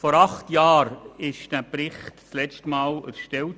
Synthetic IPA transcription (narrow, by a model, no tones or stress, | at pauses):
fɔɾɑχtjɑːɾɪʃd̥æːpɾɪχtt͡slɛt͡stəmɑːlə̰sʃtɛl